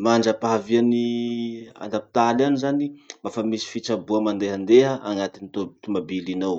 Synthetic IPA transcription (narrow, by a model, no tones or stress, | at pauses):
maɳɖ͡ʐapaviani | a̰nld̪api̥t̪alanizanimafamisi̥fit͡sabuamand̪eɦənd̪eɦəʔaŋat̪init̪ut̪umabilinow